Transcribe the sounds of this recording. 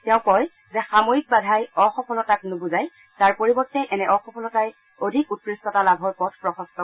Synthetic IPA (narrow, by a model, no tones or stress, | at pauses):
tɛʊ̃kɔj | zɛxamoik̚badʱajɔxɔkɔlɔtaknʊbʊzaj | taɹpoɹibɔtːɛjʔɛnɛʔɔxɔpʰɔlɔtaj | odʱikut̚ɹistɔtalabʱɔɹpɔtʰpɹɔxɔ̃stɔ